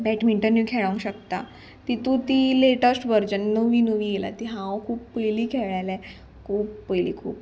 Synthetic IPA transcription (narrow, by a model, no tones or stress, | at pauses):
bɛʈmiɳʈəɾnjukʰeɭəŋkɕək̚t̪a̰ | t̪it̪ũt̪iːleʈəsʈʋəɾd͡ʑənːəʋinəʋiːɡela̰t̪iɦãwkʰuːpːəjliːkʰeɭajlɛ | kʰuːpːəjlḭːkʰṵːp